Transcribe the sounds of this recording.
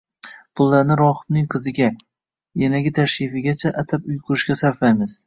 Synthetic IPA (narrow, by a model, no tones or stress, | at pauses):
pʰʊlˠːaɾnɪɾɒχɨbnɪŋqʰɨzɪɡʲa | janaɡʲɪt̪ʰaʃɪfɪɡʲat͡ʃʰaʔat̪ʰap̚ʊjqʰʊɾɪʃɡʲasaɾfajmɪz̥